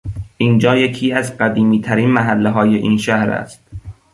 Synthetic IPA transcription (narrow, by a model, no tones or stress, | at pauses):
ʔiːnd͡ʒɒːjecʰiːæzɢæd̪iːmiːt̪ʰæɾiːnmæɦælːeɦɒːjeʔiːnʃæhɾæ̰st̪̚